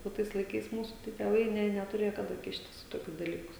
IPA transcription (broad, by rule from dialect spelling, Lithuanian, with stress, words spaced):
oː ˈtɐɪs lˠɐɪˈkɐɪs ˈmuːsuː tɐɪ tʲeːˈʋɐɪ ˈnʲɛ nʲɛtʊˈrʲeːjoː kɐˈdɐ ˈkʲɪʃʲtʲɪs iː toːˈkʲʊs dɐˈlʲiːkʊs